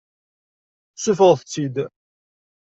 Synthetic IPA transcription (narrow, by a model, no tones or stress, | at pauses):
sufəʁθət͡sːid̪